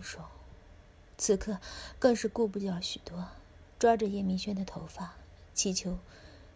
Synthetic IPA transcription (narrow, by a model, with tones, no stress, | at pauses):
ʂo˥˩ʊ | t͡sʰɹ̩˥˩kʰɤ˥˩kɤ˥˧ŋʂɻ̩˥˧ku˥˧p̬u˥˩t͡ɕjɑ˥˩ʊɕy˨˩t̪wɔ˥ | ʈ͡ʂwa˥ʈ͡ʂə˧jɛ˥˩mi˧˥ŋɕɥɛ˥nd̪ə˨t̪ʰo˧˥ʊfa˥˩ | t͡ɕʰi˧˥t͡ɕʰjo˧˥ʊ